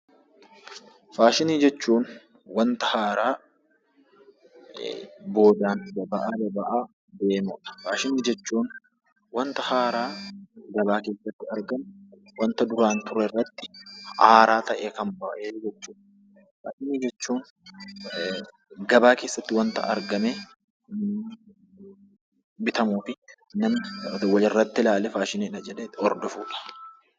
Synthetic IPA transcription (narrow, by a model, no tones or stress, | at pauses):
faːʃɪniːd͡ʒɛt͡ʃːuːn | wɐnt̪ɐhaːɾaː | bo̞ːd̪aːnlɐbɐʔaːlɐbɐʔaː | d̪eːmʊᶑɐ̥faːʃɪniːd͡ʒɛt͡ʃːuːn | wɐnt̪ɐhaːɾaːɡɐbaːke̞ːsːɐt̪ːɪɐɾɡɐnwɐnt̪ɐd̪ʊɾaːnt̪ʊɾɛrːɐt̪ːɪ̥haːɾaːt̪ɐʔeːkɐmbaːʔeːd͡ʒɛt͡ʃːuːᶑɐ | faːʃɪniːd͡ʒɛt͡ʃːuːn | ɡɐbaːke̞ːsːɐt̪ːɪwɐnt̪ɐ̰ʔɐ̰ɾɡɐme | bɪt̪ɐmuːfɪ | nɐmwɐlɪrːɐt̪ːɪlaːlɛfaːʃɪniɪᶑɐd͡ʒɛᶑeːt̪ːɔɾd̪ɔfṵːᶑɐ̥